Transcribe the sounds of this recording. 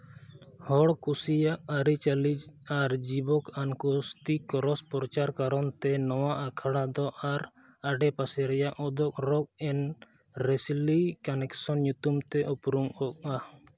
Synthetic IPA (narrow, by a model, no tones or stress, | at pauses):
hɔɽkusijaʔaɾit͡ʃalid͡ʒaɾd͡ʒibɔkankɔst̪ikɔɾɔspɔɾɔt͡ʃaɾkaɾɔnt̪ɛnɔwaʔakʰaɽad̪ɔʔaɾ | aɖɛpasɛɾɛjaʔɔd̪ɔk̚ɾɔk̚ɛn | ɾɛslikanɛksɔnɲut̪umt̪ɛʔupɾuŋɔk̚a